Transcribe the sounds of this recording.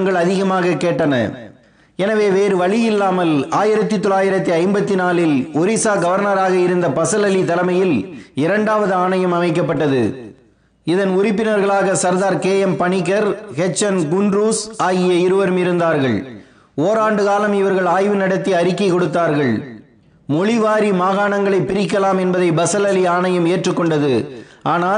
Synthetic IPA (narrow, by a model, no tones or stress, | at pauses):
ŋɡɐɭɐðɪɣɐmaːɣɐkeːʈːɐnɐ̰ | ɛnɐʋeːʋeːɾɯʋɐɭɪjɪlːaːmɐlaːjɪɾɐt̪ːit̪ːɔlaːjɪɾɐt̪ːiɐɪmbɐt̪ːinaːlɪlɔɾisaːɡɐʋɐɾnɐɾaːɣɐɪɾɯnd̪ɐpɐsɐlɐlit̪ɐlɐmɐjɪlɪɾɐɳɖaːʋɐðɯaːɳɐjɐmɐmɐɪkːɐpːɐʈːɐðɯ̰ | ɪðɐnʊɾɪpːɪnɐɾɣɐɭaːɣɐsɐɾðaːɾkeːjɛmpɐɳɪk̬ːɐɾhɛt͡ʃːɐnɡʊnɾuːsaːɣɪjɐɪɾɯʋɐɾɯmɪɾɯnd̪aːɾɣɐɭ | oːɾaːɳɖɯɣaːlɐmɪʋɐɾɣɐɭaːjʋɯnɐɽɐt̪ːiɐɾɪkːɐkɔɽɯt̪ːaːɾɣɐɭ | mɔɭɪʋaːɾimaːɣaːɳɐŋɡɐɭɐɪpːɪɾɪkːɐlaːmɛnbɐðɐɪbɐsɐlɐliaːɳɐjɐmeːʈrɯkːɔɳɖɐðɯʔaːnaː